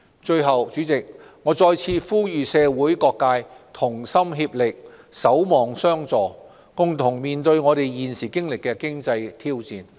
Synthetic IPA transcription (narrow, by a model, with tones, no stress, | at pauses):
t͡ʃɵ˧ɥɦɐ˨˩wt͡ʃyː˨˧˥t͡sɪ˨k̚ | ŋɔː˨˧t͡sɔː˧jt͡sʰiː˧fuː˥jyː˨sɛː˧wuː˨˥jkɔː˧kːaː˧jt̪ʰʊ˨˩ŋsɐ˥mɦiː˧p̚lɪ˨k̚ | sɐ˨˥wmɔː˨ŋsœː˥ŋt͡sɔː˨ | kʊ˨ŋt̪ʰʊ˨˩ŋmiː˨nt̪ɵ˧ɥŋɔː˨˧t̪e˨jjiː˨nsiː˨˩kɪ˥ŋlɪ˨kːɛː˧kɪ˥ŋt͡sɐ˧jt̪ʰiː˥wt͡siː˨˩n